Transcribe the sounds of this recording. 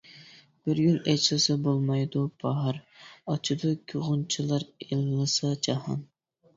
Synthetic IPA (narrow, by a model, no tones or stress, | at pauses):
b̥ɪɾɡʲylɛt͡ʃlɨsɑbolˠmɑjd̪upʰɑɦɑɾɑt͡ʃʰud̪ukʲʰyʁʊnt͡ʃʰilˠɑɾelɨlˠɨsɑd͡ʒɑhɑ̰n